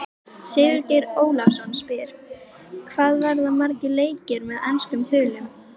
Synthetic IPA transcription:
sɪːvʏɾcejɾoːwlafsɔnːspɪɾ̥ | kʰvaːðvaɾðamaɾcɪleːjcɪɾmɛðɛnskʏmθʏːlɪm

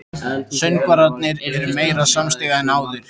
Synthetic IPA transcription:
sœɥnkvaɾat̪nɪɾɛɾʏmeːjɾasamst̪ɪɣaðɪnaːwðɪɾ̥

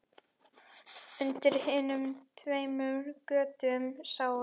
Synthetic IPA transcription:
ʏnt̪ɪɾ̥hɪːnʏmt̪ʰveːjmœɾkœːt̪ʏmsaːw

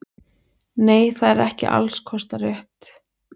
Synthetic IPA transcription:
neːjθaðɛɾɛhcɪ̰ʔa̰lskʰɔst̪arɛht̪

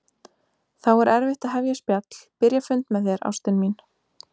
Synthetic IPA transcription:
θawɛɾʔɛɾvɪht̪aðɦɛvjaspjat̪l̥pɪɾjafʏnt̪mɛðjɛɾa̰wst̪ɪnmin

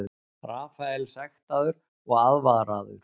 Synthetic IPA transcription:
ʏ | raːfajlsɛxt̪aðʏɾ | ɔɣaðvaɣɾaðʏ̰ɾ̥

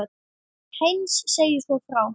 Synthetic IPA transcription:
t̪ | hejnsːejʏsvɔfɾaw

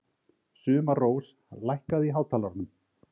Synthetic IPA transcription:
sʏːmaroːws | lajhkaðiɦaːwt̪ʰaːlaɾnʏm

